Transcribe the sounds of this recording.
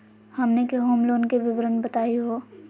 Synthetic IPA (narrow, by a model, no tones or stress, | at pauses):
hɐmnekeɦoːmloːnkeʋɪʋɾənbɐt̪aːiɦoː